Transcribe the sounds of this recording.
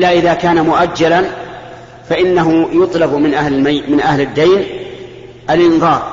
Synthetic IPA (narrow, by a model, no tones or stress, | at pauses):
lːaʔɪðaːkaːnamʊʔad͡ʒːalan | faʔɪnːaɦʊjʊt̪ˤlɑbmɪnʔamɪnʔahlɪd̪ːajn | ʔalʔɪnðˤɑːɾˤ